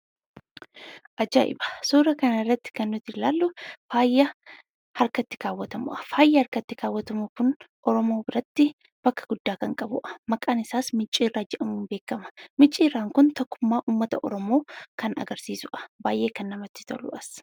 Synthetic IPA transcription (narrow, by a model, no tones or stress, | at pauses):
ʔɐd͡ʒa̰ʔɪ̰bɐ̥suːɾɐkɐnɐɪrːɐt̪ːɪ̥kɐnːʊt̪ɪlaːlːʊfaːjːɐ | hɐɾkɐt̪ːɪ̥kaːwːɐt̪ɐmʊ̰ʔɐ̥faːjːɐhɐɾkɐt̪ːɪkaːwːɐt̪ɐmʊkʊnʔɔɾɔmo̞ːbɪɾɐt̪ːɪ | b̥ɐkːɐɡʊd̪ːaːkɐŋkʼɐbʊ̰ʔɐ̥mɐkʼaːnɪsaːsmɪt͡ʃʼːiːrːaːd͡ʒɛᶑɐmuːnbe̞ːkːɐmɐ̥mɪt͡ʃʼːiːrːaːŋkʊnt̪ɔkːʊmːaːʔuːmːɐt̪ɐʔɔ̰ɾɔmo̞ːkɐnɐ̰ɡɐɾsiːsʊʔɐ̥baːjʔe̞ːkɐnːɐmɐt̪ːɪ̥t̪ɐ̰lʊ̰ʔɐs